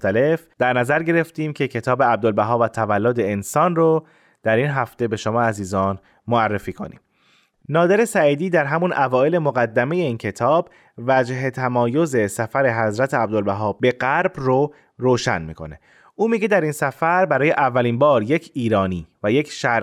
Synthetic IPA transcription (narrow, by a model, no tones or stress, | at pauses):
t̪æle̞fd̪̥æɾnæzæɾɟe̞ɾe̞ft̪iːmcʰe̞cʰe̞t̪ʰɒːbeæb̚d̪olbæɦɒːbvæt̪ʰævælːod̪e̞ːnsɒːnro | d̪̥æɾiːnɦæft̪e̞be̞ʃomɒːæziːzɒːn | moærːe̞fiːkʰo̰nḭːm | nɒːd̪e̞ɾe̞sæiːd̪iːd̪æɾɦæmunʔævɒːe̞le̞moɣæd̪ːæme̞je̞iːncʰe̞t̪ʰɒːb | væd͡ʒɦe̞t̪ʰæmɒːjo̞ze̞sæfæɾe̞ɦæzɾæt̪ʰeæb̚d̪olbæɦɒːbe̞ɣæɾbro | ɾoːʃæ̰nmḭːkʰo̞̰ne | uːmiɟe̞d̪æɾiːnsæfæɾbæɾɒːje̞ʔævːæliːnbɒːɾjecʰiːɾɒːniːvæjecʰʃæ